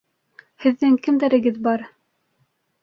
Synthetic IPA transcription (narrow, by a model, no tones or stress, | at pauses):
hɘ̆ðːɘŋkɘmd̪æɾɘ̆ɡɘðbɑɾ